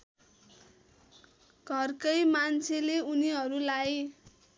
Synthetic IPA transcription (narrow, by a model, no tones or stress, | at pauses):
ɡʱʌrkʌjmant͡sʰeleuniɦʌɾulaj